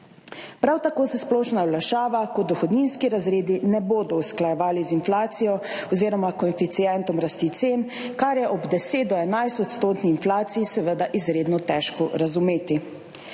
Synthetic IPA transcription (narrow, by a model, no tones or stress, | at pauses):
pɾawt̪akoːsɛsplɔːʃnawlaʃaːʋakɔd̪ɔxɔd̪ninskiɾazɾeːd̪inɛboːd̪ɔusklajɛʋaːlizinflaːt̪sijɔɔziːɾɔmakɔinfit̪sijɛnt̪ɔmɾast̪it̪sen | kaɾjɛʔɔbd̪ɛseːt̪̚d̪ɔɛnajst̪ɔt̪st̪oːt̪niinflaːt̪siisɛʋəd̪aʔizɾeːd̪nɔt̪ɛʃkɔɾazumeːt̪i